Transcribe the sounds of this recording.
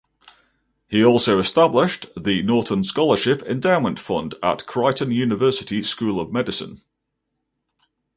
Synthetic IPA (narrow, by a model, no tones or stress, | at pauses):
hiɔˑlˠsəʊɪstablɪʃðənɔˑðə̃nskɒləʃɪpɪ̰̃ndaʊmə̃ntfʌ̰̃ndə̰ʔkʰɹ̥aɪʔə̃njʉːnɪvɜˑsɪtʰɪskʉːləvmɛdɪsə̰̃n